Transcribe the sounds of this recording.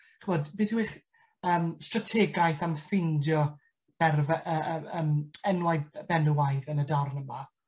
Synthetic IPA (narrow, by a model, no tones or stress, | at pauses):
χəvɔdbɪθwiχ | əːmstratʰɛɡajθamfɪndjɔ | b̥ɛrvɛʔəəːmɛnwajbɛnwajðənədɔrnəma